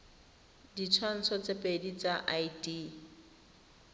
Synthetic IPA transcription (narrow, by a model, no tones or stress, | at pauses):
dit͡sʰwan̩t͡sʰɔt͡sepʼedit͡saʔajdi